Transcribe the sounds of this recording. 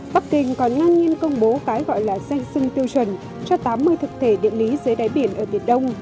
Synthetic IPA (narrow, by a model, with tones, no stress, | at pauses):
ɓa˦˥k̚kï˨˩ŋ̟kɔ˨˩nːa˧ŋɲi˧ənkə˧wŋ͡mɓo˨˦kaː˨˦jɣɔ̰˧˨jlaː˨˩zɛ˧jŋ̟sɨ˧ŋt̪i˧əwt͡ɕwə˧˩n | t͡ɕɔ˧t̪aː˨˦mːɨ˧əjt̪ʰɨ˨˩k̚t̪ʰe˧˩ɗḭ˧˨əli˨˦zəː˨˦jɗaː˨˦jɓi˧˩ənʔəː˧˩ɓi˧˩ənɗə˧wŋ͡m